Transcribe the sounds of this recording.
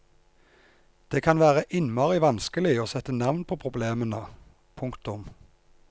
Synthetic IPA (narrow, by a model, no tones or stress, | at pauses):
d̪̥eːkʰɑnʋæːʁəʔɪnmɑːʁɪʋɑnskəlɪoːsɛt̪ːənɑʋnpʰoːpʰʁʊbleːmənə | pʰʊŋkt̪ʊm